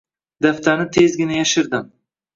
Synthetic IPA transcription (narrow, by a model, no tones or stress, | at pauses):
d̪aft̪ʰanɪt̪ʰezɡʲɪnajaʃɪɾd̪ɪm